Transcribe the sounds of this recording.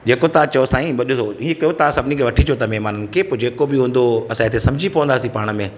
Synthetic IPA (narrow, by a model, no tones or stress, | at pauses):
d͡ʑeːkot̪ɐãt͡ɕɐjosãːĩbɐɗɪsoɦikɐjot̪ɐãsɐbʱɪnikʰeːʋɐʈʰit͡ɕʰot̪ɐmeːmaːnənɪ̆kʰepoːd͡ʑeːkobɪɦũːn̆d̪oɐsãet̪ʰesɐ̃md͡ʑʱipɐʋə̃nd̪aːsĩpaːɽ̃ə̆mẽː